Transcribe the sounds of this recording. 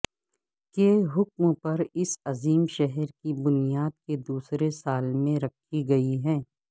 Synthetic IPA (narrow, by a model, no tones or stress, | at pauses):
keːɦʊk̚mpɐɾɪsɐziːmʃɛɦɛɾkibʊnijaːd̪̚ked̪uːsɾesaːlmẽɾɐkʰiɡɐiɦɛ̃ː